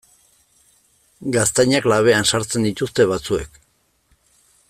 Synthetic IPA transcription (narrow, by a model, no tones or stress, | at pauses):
ɡast̪ajɲaklaβ̞e̞ansaɾt͡se̞nd̪it̪ust̪e̞βat͡sue̞k